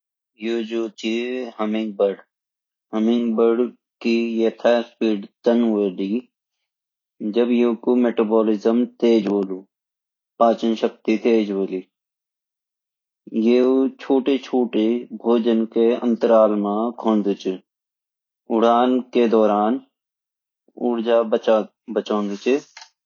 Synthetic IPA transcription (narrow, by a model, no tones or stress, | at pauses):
joːd͡ʒoːt͡ʃiɦəmɪ̃ŋɡ̚bəɾɖ | ɦəmɪ̃ŋɡbəɾɖ | kijet̪ʰaspiːɖt̪ənʋeːɖiː | d͡ʒəbjoːkumeːʈaːboːlɪzəmt̪eːd͡ʒboːluː | paːt͡ʃənʃək̚t̪it̪eːd͡ʒboːliː | jeːt͡ʃʰoːʈet͡ʃʰoːʈebʱoːd͡ʒənkeə̰̃nt̪əɾaːlmãkʰõːnd̪ʊt͡ʃɪ | ʊɽaːnked̪ɔːɾaːn | ʊɽd͡ʒaː | bət͡ʃõːnd̪t͡ʃɪ